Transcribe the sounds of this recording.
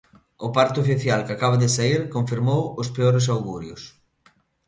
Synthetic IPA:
ʊpaɾt̪ʊofiθjalkakaβaðɪsaiɾkoɱfiɾmowʊspeoɾɪs̬awɣuɾjʊs

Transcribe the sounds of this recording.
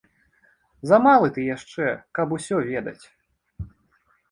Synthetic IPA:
zɐmalˠɨt̪ɨjaʂt͡ʂɛkɐbusʲɔvʲɛd̪ɐ̰t͡sʲ

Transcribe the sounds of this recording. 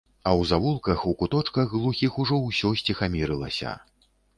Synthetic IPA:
ɐwzavulˠkɐxukut̪ɔt͡ʂkɐɣɣlˠuxʲixuʐɔwsʲɔsʲt͡sʲixamʲiɾɨlˠɐsʲɐ̰

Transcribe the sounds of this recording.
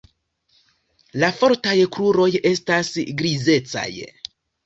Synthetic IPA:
lafo̞ɾtajkluɾo̞je̞stasɡɾize̞t͡sa̰j

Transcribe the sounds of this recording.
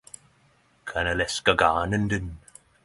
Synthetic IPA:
kʰanəlɛskəɡaːnənd̪ən

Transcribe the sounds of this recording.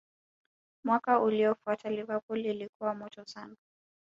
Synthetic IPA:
mwakauliɔfuatalivəpulilikuwamɔtɔsanu

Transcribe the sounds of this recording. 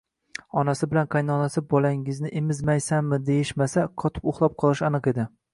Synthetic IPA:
ɒnasɪbɪlanqʰɑjnɒnasɪbɒlaŋɪznɪʔemɪzmajsanmːɪd̪e̞jɪʃmasaqʰɒt̪ʰɪ̥poχlˠɒp̚qʰɒlˠɪʃanɨqe̞d̪ɪ

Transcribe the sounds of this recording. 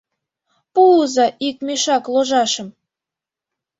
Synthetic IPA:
puzɑʔik̚meʃɑkloʒɑʃə̆m

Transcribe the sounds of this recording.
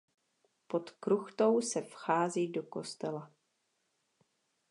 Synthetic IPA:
pot̪kɾuxt̪o̞wsɛfxaːziːdoko̞st̪ɛla

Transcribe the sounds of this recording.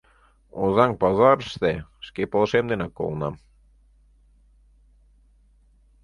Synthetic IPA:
ozɑŋpɑzɑɾʃt̪eʃkepolˠʃemd̪enɑkːo̰lˠnɑm

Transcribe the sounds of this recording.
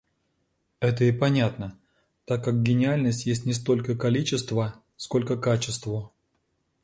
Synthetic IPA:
ɛt̪̬əɪpɐnʲat̪nə | t̪akːak̚ɡʲɪnʲɪalʲnəsʲtʲjesʲtʲnʲɪst̪o̞lʲkəkɐlʲit͡ɕɪst̪və | sko̞lʲkəkat͡ɕɪst̪və

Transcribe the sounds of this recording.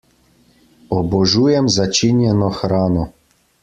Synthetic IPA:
ɔbɔʒuːjɛmzat͡ʃinjɛnɔxɾaːnɔ

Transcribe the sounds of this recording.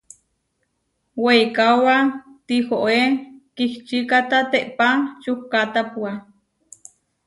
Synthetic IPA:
wejkawat̪ihoʔekiht͡ʃikat̪at̪eʔpat͡ʃuhkat̪apua

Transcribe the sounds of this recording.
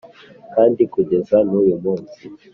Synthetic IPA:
kaːndikuɟe̞zanujumuːnzi

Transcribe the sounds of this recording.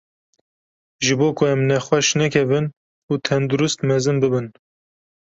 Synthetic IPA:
ʒɨboːkʰʊɛmnɛxwɛʃnɛkʲʰɛvɨn | uːt̪ʰɛnd̪uɾɨst̪mɛzɨnbɨbɨn

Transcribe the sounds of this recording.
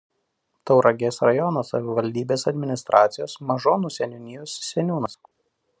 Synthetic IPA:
t̪ɒʊɾʔɐɡʲeːsɾɐjɔnoːsɐʋʲɪʋɐlʲd̪ʲiːbʲeːsɐd̪ʲmʲɪnʲɪst̪ɾʔɑːt̪sʲɪjoːsmɐʒoːnuːsʲɛnʲʊnʲɪjusːʲɛnʲuːnɐs

